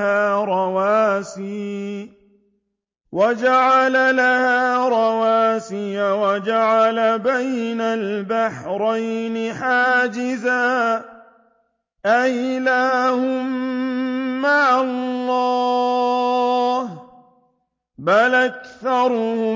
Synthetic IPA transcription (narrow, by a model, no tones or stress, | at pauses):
haːɾˤɑwaːsiː | wad͡ʒaʕalalahaːɾˤɑwaːsɪjawad͡ʒaʕalabajnalbaħɾˤajnɪħaːd͡ʒɪzaː | ʔajlaːhʊmː | aʕalˤːɑ | h | balʔakθɑɾˤʊhʊ